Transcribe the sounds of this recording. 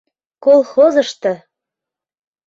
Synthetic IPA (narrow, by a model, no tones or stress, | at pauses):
kolˠxozɤ̆ʃt̪ɤ̆